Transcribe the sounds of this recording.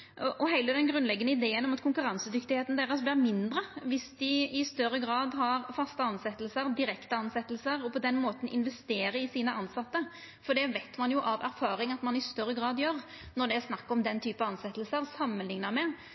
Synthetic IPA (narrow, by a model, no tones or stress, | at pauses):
ʔɔʔɔɦæɪləd̪ɛnɡɾʉnlɛɡːənəɪd̪eːənɔmɑt̪kʰʊŋkʉɾɑnsəd̪ʏkt̪ɪheːt̪n̩d̪æːɾəsblɪɾmɪnd̪ɾəʋɪsd̪ɪɪst̪œɾːəɡɾɑːd̪ɦɑɾfɑst̪əɑnsɛt̪ːəlsəɾd̪ɪɾɛkt̪əɑnsɛt̪ːəl̩səɾɔpɔd̪ɛnmoːt̪ən̩ɪ̰nʋɛst̪eːɾəɾɪsiːnəʔɑnsɑt̪ːə | fɔɖ̪ɛʋɛɪt̪mɑnjʊʔɑʋæɾfɑːɾɪŋɑt̪mɑnɪst̪œɾːəɡɾɑːd̪jøːɾ | nɔɖ̪ɛæsnɑkːɔmd̪ɛnt̪ʰyːpɑɑnsɛt̪ːəlsəɾsɑmːənlɪŋnɑɾmɛ